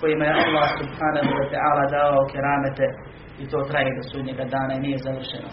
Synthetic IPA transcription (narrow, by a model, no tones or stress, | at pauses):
ko̞jimajealˠːaːhsubhaːnaɦuwat̪ɛʔaːlaːd̪aːʋaokʰeɾaːmet̪e | it̪o̞ːt̪ɾajeːd̪osuːd̪ɲeɡad̪aːnainijezaʋr̩ʃeno